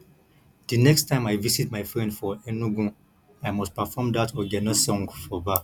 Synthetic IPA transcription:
d̥ənɛkstʰːãɪ̃majvisitmajfɹɛ̃ndfɔɛnuɡũ | ajmɔstpafɔmdatʰɔɡɛtnɔsɔ̃ŋɡfɔba

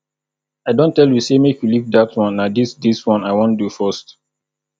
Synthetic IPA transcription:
aɪdõntɛljusemekjulik̚datwɔ̃nːadisdiswɔ̃naɪwɔ̃ndufɔst

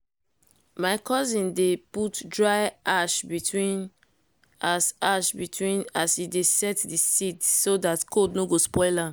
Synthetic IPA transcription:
maɪkʰɔzĩndeputdɹaɪʔaʃbitʰwĩn | ʔasaʃbitʰwĩnasidesɛtdisidsodatkʰodnoɡospɔɪla

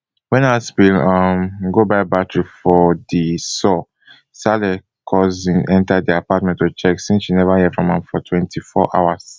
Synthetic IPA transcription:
wɛ̃nasbilʌmɡobaɪbatɹifɔdisɔ | salɛ | kʰɔzĩnɛ̃ntadiapat̚mɛ̃ntɔt͡ʃɛksĩnsʃinɛvahɛfɹɔ̃mãmfɔtʰwɛ̃ntʰifɔ̰ʔa̰was

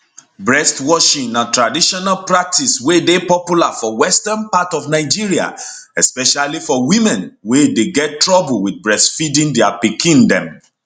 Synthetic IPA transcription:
bɹɛstwɔʃĩŋãntɹadiʃɔnalpɹak̚tiswedepɔpjulafɔwɛstãnpatɔfnaɪd͡ʒiɹia̰ | ɛspɛʃalifɔwĩmɛ̃nwedeɡɛt̚tːɹɔbulwid̚bɹɛstfidĩndɛapikĩndɛ̰̃m

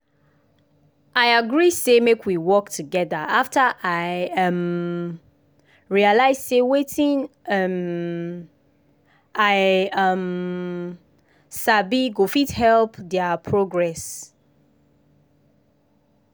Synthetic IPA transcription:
aɪaɡɹisemekwiwɔk̚tʰuɡɛðəaftəʔaɪʌm | ɹialaɪzsewetʰĩŋʌm | ʔaɪʌm | sabiɡofithɛlpdɛapʰɹoɡɹɛs

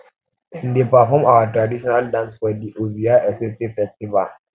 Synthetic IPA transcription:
ĩndepafɔmawatɾadiʃɔnaldãnswɛdiʔoviaʔɛsɛstefɛstiva̰l

